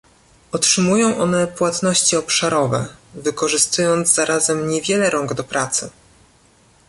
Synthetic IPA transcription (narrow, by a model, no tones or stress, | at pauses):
ɔtʂɘmujɔ̃w̃ʔɔnɛpwat̪nɔɕt͡ɕiɔpʂaɾɔvɛ̰vɘkɔʐɘst̪ujɔnd̪zzaɾʔazɛmɲɛvʲjɛlɛɾɔŋɡd̪ɔpɾat̪sɘ